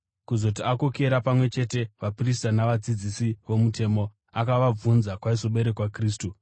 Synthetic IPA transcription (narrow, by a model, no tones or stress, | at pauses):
kuzo̞t̬iako̞ke̞ɾapamwe̞t͡ʃe̞te̞ʋapris̬tanaʋad͡zid͡zisiʋo̞mute̞ːmo̞ | akaʋab͡vunzakwaiso̞ɓe̞ɾe̞kwakriːstu